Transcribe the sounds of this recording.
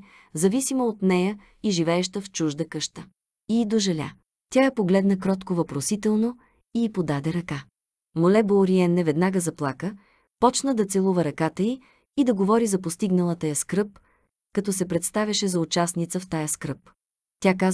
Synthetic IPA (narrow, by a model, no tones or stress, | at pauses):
zɐvisimoot̪nɛjə | iʒivɛːʃt̪əft͡ʃuʒd̪əkɤʃt̪ə | iːd̪oʒɛlʲa̰ | t̪ʲajɐpoɡlɛd̪nəkɾɔt̪kovɐpɾosit̪ɛlˠno | iipod̪ad̪ɛɾɐka | molɛboɾiɛnːɛvɛd̪naɡəzɐplˠakə | pɔt͡ʃnəd̪ɐt̪sɛlˠuvəɾɐkat̪əiː | d̪ɐɡovɔɾizɐpost̪iɡnɐlˠət̪əjɐskɾɤp | kɐt̪ɔsɛpɾɛt̪st̪avʲjɐʃɛzɐut͡ʃasnit̪səft̪ajəskɾɤp | t̪ʲakaz